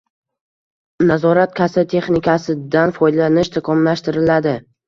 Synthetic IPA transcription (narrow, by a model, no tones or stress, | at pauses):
nazɒɾat̪̚kʲʰasat̪ʰe̞χnɪkʰʲasɪd̪anfɒj̪lanɪʃt̪ʰakʰɒmlaʃt̪ɪɾɪlad̪ɪ